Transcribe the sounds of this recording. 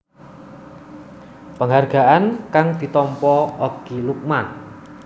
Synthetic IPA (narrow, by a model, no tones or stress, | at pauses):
pəŋɦarɡ̥a̤ʔankaŋd̪̥i̤t̪ɔmpɔɔɡ̥iluk̚man